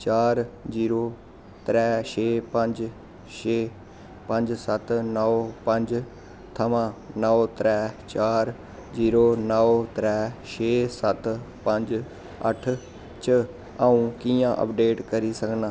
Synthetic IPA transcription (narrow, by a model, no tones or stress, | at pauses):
t͡ʃaːɾziːɾoː | t̪ɾɛːʃeːpə̃ɲd͡ʒ | ʃeː | pə̃ɲd͡ʒsət̪nəopə̃ɲd͡ʒ | t̪ʰɐʋãːnəot̪ɾɛːt͡ʃaːɾ | d͡ʒiːɾoːnəot̪ɾɛːʃeːsət̪ | pə̃ɲd͡ʒ | ə̰ʈʰ | t͡ʃə | aũkijãʔə̰pɖeːʈkəɾisəknaː